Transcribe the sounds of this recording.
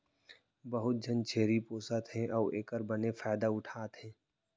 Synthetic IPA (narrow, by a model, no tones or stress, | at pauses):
bəɦʊt̪̚d͡ʒʱənt͡ʃʰeːɾipoːsət̪ɦɛ̃ʔɔːeːkəɾbənefaːd̪aʊʈʰaːt̪ɦɛ̃ː